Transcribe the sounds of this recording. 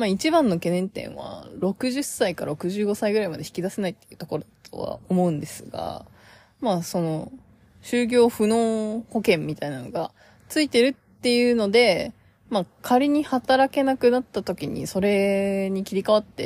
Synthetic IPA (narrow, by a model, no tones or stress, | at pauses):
mait͡ɕibãnːo̞ke̞nẽ̞nt̪ẽ̞̰ɰ̃βa̰ɾo̞kɯ̟ʑɨsaikaɾa̰ɾo̞kɯ̟ʑɨːɡo̞saiɡɯɾaimad̪e̞çi̥kʲid̪ase̞nait̪ːe̥jɯ̟ːt̪o̞ko̞ɾod̪at̪ʰo̞̰βa̰o̞mo̞ɯ̟̃nd̪e̞sɨɡa̰ | maso̞no̞ | ɕɨːɡʲo̞ːɸɯ̟no̞ːho̞kẽ̞mːʲit̪ainano̞ɡa | t͡sɨit̪e̞ɾɯ̟t̪ːe̞jɯ̟ːno̞d̪e̞ | makʰaɾʲiɲ̟ihat̪aɾake̞nakɯ̟nat̪ːat̪o̞kʲiɲ̟ḭso̞ɾe̞ɲ̟ikʲiɾʲikaβ̞at̪ːe̞̰